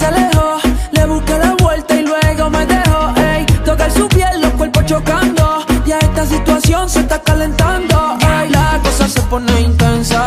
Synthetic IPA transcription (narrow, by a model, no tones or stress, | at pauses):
selehole̞βuskalaβwe̞lt̪ailwe̞ɣo̞me̞ðe̞hoejt̪okalsupje̞lnokwelpot͡ʃo̞kand̪o̞bjaest̪asit̪wasjo̞nsest̪akale̞nt̪and̪o̞ajlakosasepo̞neiŋk̪ensa